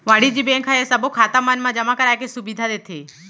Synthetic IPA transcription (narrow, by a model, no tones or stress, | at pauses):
ʋaɽid͡ʒibẽŋkʰaesəbokʰat̪amənmãd͡ʒəmakəɾajkesubid̪ʱad̪eːt̪ʰeː